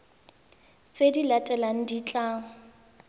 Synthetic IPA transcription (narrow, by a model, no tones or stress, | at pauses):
t͡sʼedilatʼɛlaŋ̩dit͡ɬʼaːŋɔ